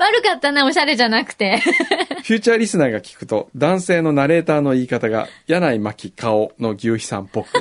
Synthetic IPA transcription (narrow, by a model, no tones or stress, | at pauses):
βaɾɯ̟kat̪ːanao̞ɕaɾe̞ʑanakɯ̟̥t̪e̞ɸʲjɨ̟ːt͡ɕaːɾʲisɨnaːɡakʲi̥kɯ̟̥t̪o̞d̪ãɰ̃se̞ːno̞naɾe̞ːt̪aːno̞iːkat̪aɡa̰janaimakʲikaono̞ɡʲɨːçi̥sã̰mpːo̞kɯ